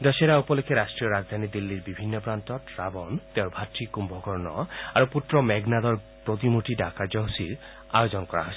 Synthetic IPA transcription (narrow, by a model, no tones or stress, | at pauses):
d̪ɔʃeɾaupɔlekʰːeɾasʈɾijɔɾad͡ʒd̪ʱanid̪ilːiɾbibʱinːɔpɾant̪ɔʈɾabɔnt̪eʊɾbʱatɾikumbʱɔkɔɾnɔ̰aɾuput̪ɾɔmɛɡnad̪ɔɾ | pɾot̪imuʈiɖakad͡ʒɔɦsiɾ | a̰jod͡ʒɔnkɔɾa̰ɦɔ